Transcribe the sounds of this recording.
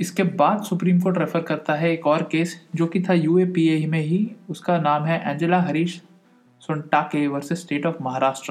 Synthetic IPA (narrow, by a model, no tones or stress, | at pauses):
ɪskebaːd̪sʊpɾiːmkoːʈɾefəɾkɐɾt̪aɦɛeːkɔːɾkeːsd͡ʒoːkit̪ʰajuːepiːeːimẽɦiʊskanaːmɦɛʔɛ̃ːɲd͡ʒəlaɦɐɾiːʃ | sʊ̃ɳʈaːkeʋɐɾsesʈeːʈɔːfmɐɦaːɾaːʃʈɾə